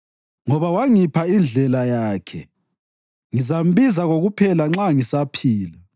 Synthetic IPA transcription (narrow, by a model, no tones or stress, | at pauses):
ŋɔβawaŋipʰaind͡ɮʱɛlajaːkʰɛ | ŋizam̩βizaɣoɣupʰɛlaŋ͡ǁaŋisapʰiːla